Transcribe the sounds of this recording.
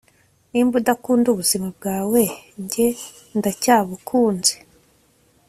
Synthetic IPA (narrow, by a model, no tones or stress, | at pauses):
niːmbudakuːnduβuzimab̚ɡaːwe̞ɲɟe̞ | ndacaːβukʰuːnze̥